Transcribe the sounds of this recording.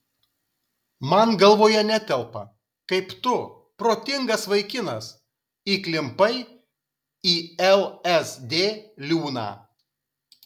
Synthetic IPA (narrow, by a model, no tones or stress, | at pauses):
mɐnɡɐlˠʋoːjɛnʲɛt̪ʲɛlˠpɐ | kɐɪpt̪ʊ | pɾoːt̪ʲɪŋɡɐsʋɐɪkʲɪnɐs | iːklʲɪmpɐɪ | iːɛlˠɛsd̪ʲeːlʲuːnɑ̰ː